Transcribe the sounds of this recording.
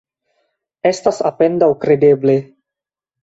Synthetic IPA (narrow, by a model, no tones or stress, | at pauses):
estasa̰pendawkɾedeble